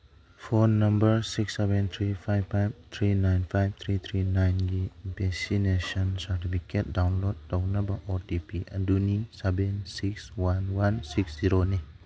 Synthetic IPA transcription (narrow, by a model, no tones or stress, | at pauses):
pʰonːɐmbəɾsiksːebent̪ʰɾipʰajbʰajb̚t̪ʰɾinajnpʰajb̚t̪ʰɾit̪ʰɾinajnɡibesinesɔnsɐɾtipʰiket̚dawnlod̚townɐbɐʔɔtipiʔɐdunisebensikswanwansiksz̥iɾoni